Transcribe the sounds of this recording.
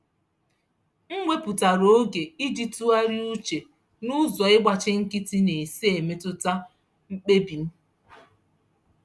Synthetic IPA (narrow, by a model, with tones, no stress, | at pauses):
ŋ̩˦ŋʷe˦pʊ˨ta˨ɾo˨o˦ɡe˨i˦di˦tu˦a˦ɾi˦u˦t͡ʃe˨ | nʊ˦zɔ˨ɪ˦ɡ͡ba˨t͡ʃɪ˦ŋ̩˦kɪ˦ti˦ne˨se˦e˨me˦tʊ˦ta˦ | ŋ͡m̩˦k͡pe˦bi˨n̩˦